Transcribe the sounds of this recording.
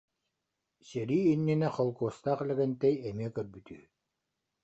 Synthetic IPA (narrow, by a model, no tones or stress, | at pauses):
sɛɾiːnːinɛχɔlˠkuɔst̪aːχɛlɛɡɛnt̪ɛjɛmiɛkœɾbyt̪yː